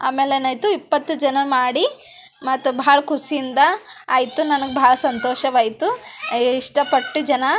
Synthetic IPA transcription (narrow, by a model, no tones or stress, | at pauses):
aːme̞ːlenɐːjt̪uipːɐt̪ːud͡ʒɐnɐmaːɽi | mɐt̪ːubʱɐaːɭɐkusiind̪ɐa̰ːjit̪unɐnɐɡebʱaːɭɐsɐnt̪oːʃɐʋaːjit̪uiʂʈɐpɐʈːud͡ʒɐnɐ